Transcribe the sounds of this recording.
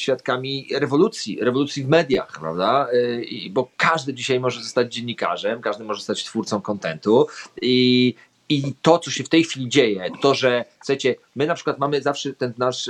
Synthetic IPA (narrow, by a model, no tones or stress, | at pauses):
ɕfʲjat̪kamʲiɾɛvɔlut̪sʲjḭɾɛvɔlut̪sʲjivmɛd̪ʲja̰xpɾa̰vd̪aḭbɔkaʐd̪ɘd͡ʑiɕajmɔʐɛzɔst̪ad͡ʑd͡ʑeɲːika̰ʐɛmkaʐd̪ɘmɔʐɛzɔst̪at͡ɕt̪fuɾt̪sɔ̃mkɔnt̪ɛnt̪ui | it̪ɔt̪sɔɕɛft̪ɛjxfʲilʲid͡ʑejɛt̪ɔʐɛfsu̥xat͡ɕɛ | mɘnapʂkwat̪̚mamɘzafʂɛt̪ɛnnaʂ